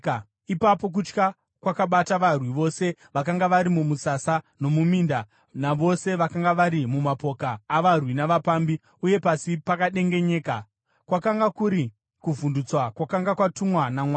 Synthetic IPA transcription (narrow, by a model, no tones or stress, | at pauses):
ipapo̞k̬ut͡ʃka | kwakaɓataʋarwiʋo̞se̞ʋakaŋɡaʋaɾimumusasano̞mumiːnda | naʋo̞se̞ʋakaŋɡaʋaɾimumapo̞kaːʋarwinaʋapambi | uje̞pasipakaɗe̞ŋɡe̞ɲe̞ːka | kwakaŋɡakuɾi | kuvundut͡swakwakaŋɡakwatumwanamwa